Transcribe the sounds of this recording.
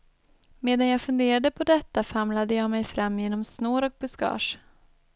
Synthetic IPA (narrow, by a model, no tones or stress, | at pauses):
meːd̪anjɑːfɵnd̪eːɾad̪əpʰɔd̪ɛt̪ːafamlad̪əjɑːmɛjfɾamːjeːnɔmsnoːɾɔk̚bɵskɑ̰ːʂ